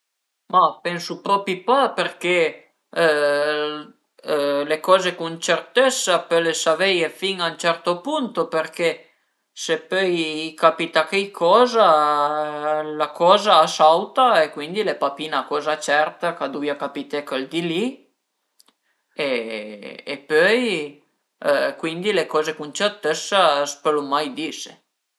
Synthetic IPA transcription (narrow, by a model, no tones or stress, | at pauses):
mapɛnsupɾɔpipaperke | lekɔːzekunt͡ʃert̪esːapølesavɛjefiŋaunt͡ʃɛrt̪opunt̪operke | sepɔjkapit̪akekʰːɔːza | lakɔːzaːsawt̪aekwind̪ilepapiːnakɔːzat͡ʃɛrt̪akad̪ujakapit̪ekːald̪ili | eː | pːøj | kwind̪ilekɔːzekunt͡ʃert̪esːaspelomajd̪iːse